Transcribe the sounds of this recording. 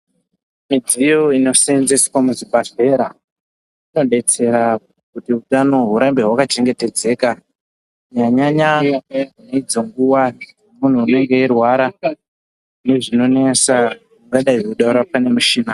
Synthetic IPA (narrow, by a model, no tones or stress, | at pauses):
mid͡zijo̞ino̞senzeswamuzibaɬe̞ɾa | ino̞ɗe̞t͡se̞ɾa | kutiutano̞ɦuɾambe̞ɦwakat͡ʃe̞ŋɡe̞te̞d͡ze̞ːka | jaɲaɲa | neid͡zo̞ŋɡuwa | mun̤uːne̞ŋɡe̞irwaɾa | neʐino̞ne̞sa | muŋɡaɗaiuɗauɾapane̞muʃiːna